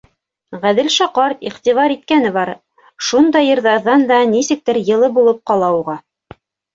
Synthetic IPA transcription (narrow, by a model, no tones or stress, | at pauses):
ʁæðɘlʃɑqɑɾiqt̪ivɑɾit̪̚kænɘβɑɾ | ʃund̪ɑjɤ̆ɾðɑɾðɑnd̪ɑnisɘ̆k̚t̪ɘɾjɤ̆lˠɤbulˠɤp̚qɑlˠɑuʁɑ